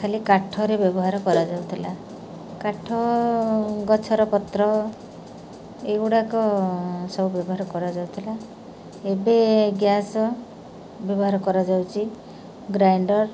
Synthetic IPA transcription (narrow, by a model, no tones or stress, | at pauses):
kʰalikaʈʰɔɾebjɔbɔɦaɾɔkɔɾad͡ʒawt̪ʰila | kaʈʰɔ | ɡɔt͡ʃʰɔɾɔpɔt̪ɾɔ | euɽakɔsɔbubjɔbɔɦaɾɔkɔɾad͡ʒawt̪ʰila | ebeɡjasɔ | bjɔbɔɦaɾɔkɔɾad͡ʒawt͡ʃʰi | ɡɾajɳɖɔɾ